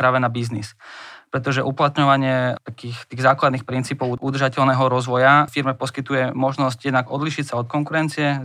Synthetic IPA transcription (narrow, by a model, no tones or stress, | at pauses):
ɾaːʋɛnabiznispɾɛt̪ɔʒɛʔuplat̪ɲɔʋaɲɪɛt̪akiːxt̪iːɣzaːklad̪niːxpɾint͡siːpɔʊud̪r̩ʒacɛʎnɛːɦɔɾɔzʋɔjafiɾmɛpɔskit̪ujɛmɔʒnɔscjɛd̪naɡɔd̪liːʃicsaɔt̪̚kɔŋkuɾɛnt͡siɛ